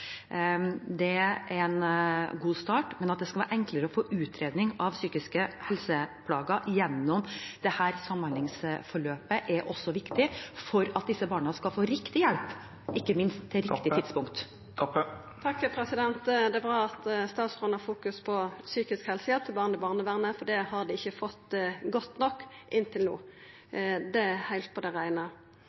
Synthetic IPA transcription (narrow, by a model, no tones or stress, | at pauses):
d̪ɛʔænɡuːst̪ɑːʈmɛnɑt̪d̪ɛskɑʋæːɾʔɛŋkləɾəɔfoːʔʉːt̪ʰɾeːd̪nɪŋɑʋsyːkɪskəhɛlsəpʰlɑːɡɑʔjɛnːɔmd̪̥ɛhæːɾsɑmɑnɪŋsfɔɭøːpəʔɛɾʔɔsːɔʋɪkt̪ɪfɔɾɑt̪̚d̪ɪsːəbɑːɳɑskɑlfoːɾɪkt̪ɪjɛlp | ɪkːəmɪnst̪ʰːɪlɾɪkt̪ɪt̪ɪd̪spʊŋkt̪ | t̪ʰɑkːpʰɾɛsɪd̪ɛnt̪d̪ɛæbɾɑːɑt̪st̪ɑːt̪sʁʉnhɑfuːkʉspʰɔsyːkɪskhɛlsəjɑt̪ʰɪlbɑːʁnɪbɑːʁnəʋæʁnəfɔɖ̪ɛhɑʁd̪ɪɪçːəfɔt̪ːɡɔt̪ːnɔkːʔɪnːt̪ʰɪlnṵː | d̪ɛhæɪlt̪̚pʰɔd̪ɛʁæɪnə